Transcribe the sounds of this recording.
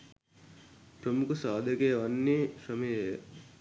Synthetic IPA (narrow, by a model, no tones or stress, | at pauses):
pɾɐmukusaːd̪ʱɐkeːʋɐnːiʃɐmej